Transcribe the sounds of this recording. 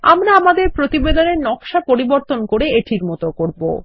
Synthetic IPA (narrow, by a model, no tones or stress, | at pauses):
a̰mɾaamad̪eɾpɾot̪ibed̪oneɾnɔkʃapoɾiboɾt̪onkoɾeeʈʰiɾmɔt̪okoɾbo̰